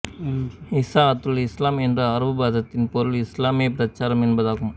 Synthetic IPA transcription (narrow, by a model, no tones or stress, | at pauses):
ɪsaːɐt̪ːɯlɪslaːmɛndrɐɐɾʋɯbaːðɐt̪ːɪnpɔɾɯlɪslaːmjɐpɾɐt͡ʃːaːɾɐmɛnbɐðaːɣɯm